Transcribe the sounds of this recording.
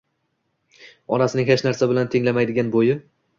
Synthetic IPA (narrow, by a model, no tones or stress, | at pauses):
ɒnasɪnɪŋhet͡ʃnaɾsabɪlant̪ʰɪŋlamajd̪ɪɡʲanbojɪ